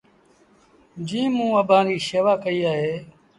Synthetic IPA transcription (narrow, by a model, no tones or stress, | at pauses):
d͡ʒĩːmũːəbãːɾiːʃeʋaːkəiːaːɦeː